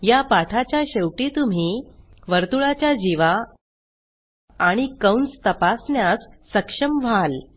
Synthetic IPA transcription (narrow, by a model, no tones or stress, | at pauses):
japaʈʰat͡ɕjaɕewʈit̪um̤i | ʋəɾt̪uɭat͡ɕjad͡ʑiʋa | aɽ̃ikəwnt͡st̪əpasɳjasːəkʂəmʋ̤al